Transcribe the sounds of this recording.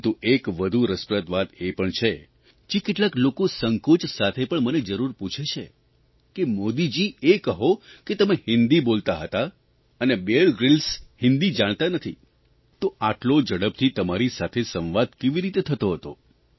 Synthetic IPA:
t̪uʔekʋəd̪ʱuɾəspɾət̪ʋat̪epəɳt͡ʃʰe | d͡ʒekeʈlaklokosəŋkot͡ʃsat̪ʰepəɳməned͡ʒəɾuɾput͡ʃʰet͡ʃʰe | kemod̪id͡ʒiekəɦoket̪əmehɪ̃nd̪ibolt̪aɦət̪a | ənebeɭɡɾɪlshɪnd̪id͡ʒaɽ̃t̪anət̪ʰḭ | t̪oʔaʈlod͡ʒəɽəp̚t̪ʰit̪əmaɾisat̪ʰesə̃ʋʋad̪̚keʋiɾit̪et̪ʰət̪oɦət̪o̰

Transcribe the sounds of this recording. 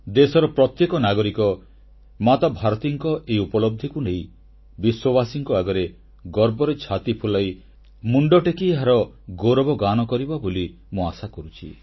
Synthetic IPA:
d̪esɔɾɔpɾɔt̪jekɔnaɡɔɾikɔ | mat̪abʱaɾɔt̪iŋkɔʔeiupɔlɔb̚d̪ʱikuneĩ | biswɔbasiŋkɔaɡɔɾe | ɡɔɾbɔɾet͡ʃʰat̪ipʰulaj | muɳɖɔʈekiɦaɾɔ | ɡoɾɔbɔɡanɔkɔɾibaboli | mũasakɔɾut͡ʃʰḭ

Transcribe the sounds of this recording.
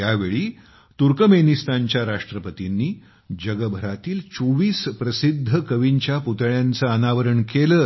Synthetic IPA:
jaʋeɭiː | t̪uɾkəmenist̪aɲt͡ɕjaɾaʂʈɾəpət̪inːiː | d͡ʑəɡəbʱəɾat̪iːlt͡soʋiːspɾəsid̪ʱːəkəʋiɲt͡ɕjaput̪əɭjant͡saənaʋəɾəɳkeləː

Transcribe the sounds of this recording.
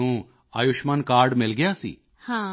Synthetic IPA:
ũ | aːjʊʃmankaːɾɖmɪlɡəjasḭː | hã

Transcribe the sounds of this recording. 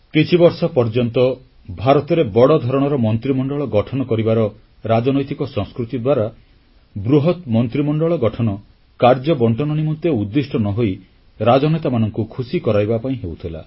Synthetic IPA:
kit͡ʃʰibɔɾsɔpɔɾd͡ʒɔnt̪ɔ | bʱaɾɔt̪ɔɾebɔɽɔd̪ʱɔɾɔɽ̃ɔɾɔmɔnt̪ɾimɔɳɖɔɭɔɡɔʈʰɔnɔkɔɾibaɾɔ | ɾad͡ʒɔnojt̪ikɔsɔ̃ŋskɾut̪id̪waɾa | bɾuɦɔt̪mɔnt̪ɾimɔɳɖɔɭɔɡɔʈʰɔnɔ | kaɾd͡ʒɔbɔɳʈɔnɔnimɔnt̪eud̪ːisʈʰɔnɔɦoi | ɾad͡ʒɔnet̪amanɔŋkukʰusikɔɾajbapaĩɦewt̪ʰila̰

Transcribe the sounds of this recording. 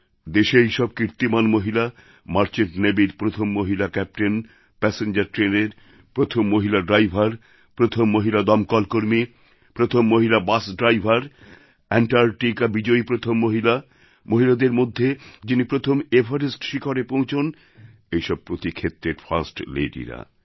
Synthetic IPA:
d̪eʃeejʃɔb̚kiɾt̪imanmoɦila | maɾt͡ɕenʈnebiɾpɾot̪ʰomːoɦilakɛp̚ʈen | pɛseɲd͡ʑaɾʈɾeneɾ | pɾot̪ʰomːoɦilaɖɾajbʱaɾ | pɾot̪ʰomːoɦilad̪ɔmkɔlkoɾmi | pɾot̪ʰomːoɦilabasɖɾajbʱaɾ | ɛɳʈaɾʈikabid͡ʑoipɾot̪ʰomːoɦila | moɦilad̪eɾmod̪ʱːed͡ʑinipɾot̪ʰomebʱaɾisʈʃikoɾepõwt͡ɕʰon | ejʃɔb̚pɾot̪ikʰet̪ːɾeɾfʰasʈlḛɖḭɾa̰

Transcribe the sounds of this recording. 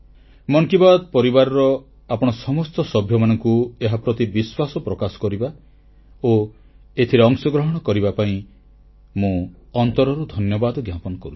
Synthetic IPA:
mɔŋkibad̪ɔpɔɾibaɾɔɾɔ | apɔɽ̃ɔsɔmɔst̪ɔsɔbʱjɔmanɔŋkueɦapɾɔt̪ibiswasɔpɾɔkasɔ̥kɔɾiba | o | et̪ʰiɾeɔŋsɔɡɾɔɦɔɽ̃ɔkɔɾibapaĩ | mũɔnt̪ɔɾɔɾud̪ʱɔnjɔbad̪ɔɡjapɔnɔkɔɾui̥

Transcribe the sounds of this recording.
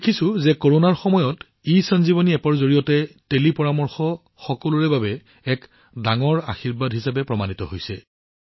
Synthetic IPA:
dekʰisʊ̃zɛkoɹonaɹxɔmɔjɔt | isɔnzibɔniɛpɔɹzoɹijɔtɛtelipɔɹamɔɹxɔ | xɔkɔluɹɛbabɛ | ɛk | daŋɔɹa̰xiɹbadɦisap̬ɛpɹɔmanitɔɦojsɛ

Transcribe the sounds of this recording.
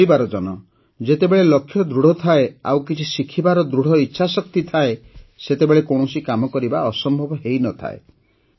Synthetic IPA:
ibaɾɔd͡ʒɔnɔ | d͡ʒet̪ebeɭelɔkʰːjɔd̪ɾuɽ̤ɔt̪ʰaea̰wkit͡ʃʰisikʰibaɾɔd̪ɾuɽ̤ɔitːʃʰasɔk̚t̪it̪ʰaeset̪ebeɭekoɽ̃ɔsikamɔkɔɾibaɔsɔmbʱɔbɔɦejnɔt̪ʰa̰ḛ

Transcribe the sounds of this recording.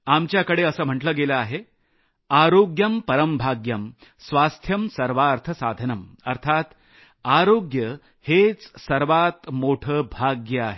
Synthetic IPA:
amt͡ɕjakəɽeəsəːm̤əʈləːɡeləaɦe | aɾoɡjəmpəɾəmbʱaɡjəm | sʋast̪ʰjəmsəɾʋaɾt̪ʰəsad̪ʱənəm | əɾt̪ʰat̪ | aɾoɡjə | het͡ssəɾʋat̪moʈʰəːbʱaɡjəaɦe

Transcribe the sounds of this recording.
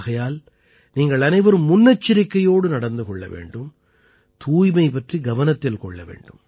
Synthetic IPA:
ɣɐjaːl | niːŋɡɐɭɐnɐɪʋɐɾɯmːʊnːɐt͡ʃːɪɾɪkːɐjoːɽɯnɐɽɐnd̪ɯkɔɭːɐ̰ʋḛːɳɖɯm | t̪uːjmɐɪpɐʈriɡɐʋɐnɐt̪ːɪlkɔɭːɐ̰ʋḛːɳɖɯm

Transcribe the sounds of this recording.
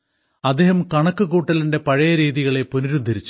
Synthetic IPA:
ɐd̪ːeːhɐmkɐɳɐkːɨɣuːʈːɐlinde̞pɐɻɐjɐɾiːðiɣɐɭeponiɾud̪ʱːɐɾit͡ɕːu̥

